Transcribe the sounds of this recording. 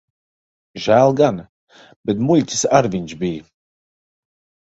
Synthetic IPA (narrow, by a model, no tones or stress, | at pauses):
ʒælˠɡan | b̥ɛt̪̬mulʲtʲi̥saɾvinʲt͡ʃbiː